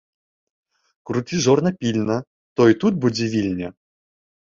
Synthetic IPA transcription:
kɾut̪ʲiʐɔrnɐpʲilʲnɐ | t̪ɔit̪ut̪̚bud͡zʲevʲilʲnʲɛ

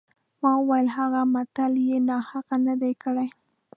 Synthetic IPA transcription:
mɑwajəlɦaɣamat̪aljenɑhaqanad̪ajkəɽaj

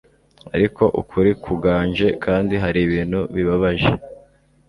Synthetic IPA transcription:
a̰ɾikʰo̞ʔukʰuɾikʰuɡaːɲʒe̞kʰaːndiɦaɾiβiːn̤̥huβiβaβaʒḛ

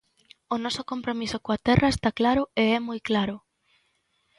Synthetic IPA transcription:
onɔsokompɾomisokoat̪ɛraest̪aklaɾʊeɛmujklaɾʊ

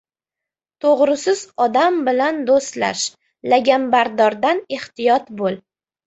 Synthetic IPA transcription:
t̪ʰoʁɾɪsɪzɒd̪ambɪland̪ost̪la̰ʃ | laɡʲambaɾd̪ɒɾd̪aneht̪ɪjɒt̪bolˠ

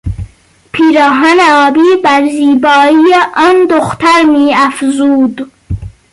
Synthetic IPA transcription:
pʰiːɾɑːɦɑːneɒːbiːbæɾziːbɒːijeʔɒːnd̪oxt̪ʰæɾmiːæfzuːd̪

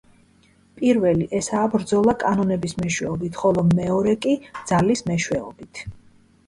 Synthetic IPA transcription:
pʼiɾvɛliʔɛsaːbɾd̪zɔlˠakʼanɔnɛbismɛʃwɛɔbit̪ʰχɔlˠɔmɛɔɾɛkʼid̪z̥alismɛʃwɛɔ̰bit̪ʰ

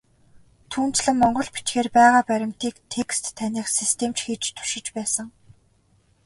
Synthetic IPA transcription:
t̪ʰuːnt͡ɕɮɘ̆ŋmɔɴɢɞ̆ɮpi̥t͡ɕxeːrpæːʁaːpæɾʲɪ̆mt̪iːkt̪ʰekst̪ʰːæniːχsist̪ʰemt͡ɕxiːt͡ɕt̪ʰu̥ʃɪ̆t͡ɕpæːsə̆ŋ

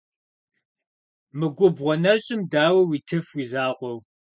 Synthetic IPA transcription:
mɨɡʷʊbʁʷɔnɐɕʼɪmdaːwɐwiːtʰɨfwiːzaːʁʷɔw

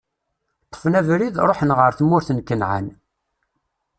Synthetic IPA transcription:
t̪ˤːə̥fnævɾiðɾˤoħənʁəɾθmːʊɾθənkːənʕa̰n

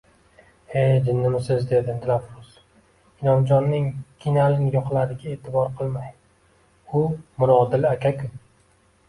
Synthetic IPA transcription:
ejd͡ʒɪnːɪmɪsɪzd̪e̞d̪ɪt̪ʰlafɾʊs | ɪnɒmd͡ʒɒnːɪŋkʲʰinalɪŋjɒqʰlaɾɪɡʲae̞ːt̪ʰɪbɒɾqʰɨlˠmaj | ʊmʊɾɒd̪ɪlakʲʰakʰʊ

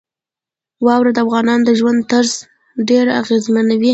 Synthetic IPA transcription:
wɑwɾad̪əafɣɑnɑnd̪əʒwand̪̚t̪əɾz | ɖeɾa̰ɣezmanawi

